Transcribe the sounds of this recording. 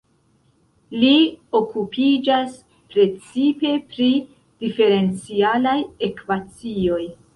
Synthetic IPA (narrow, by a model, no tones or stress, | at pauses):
lio̞kupʰid͡ʒas | pɾe̞t͡sipe̞pɾi | d̥ife̞ɾe̞nt͡sialajekvat͡sio̞j